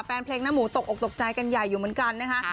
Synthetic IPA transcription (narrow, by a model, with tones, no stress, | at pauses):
pɛː˧npʰleː˦˥k̚na˦˥muː˩˦t̪o˨˩k̚ʔo˨˩k̚t̪o˨˩k̚t͡ɕa˧jka˧nja˨˩jːuː˨˩mɯ˩˦nka˧nːa˦˥kʰa˦˥